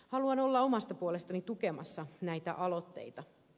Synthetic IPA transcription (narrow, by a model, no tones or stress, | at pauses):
hɑluɑno̞lːɑomɑst̪ɑpuolest̪ɑnit̪ukemɑ̰sːɑnæjt̪æ̰ʔɑlo̞t̪ːe̞̰it̪ɑ